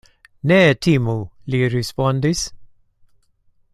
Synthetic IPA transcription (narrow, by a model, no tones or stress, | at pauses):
nɛt̪ʰimuliɾispɔnd̪is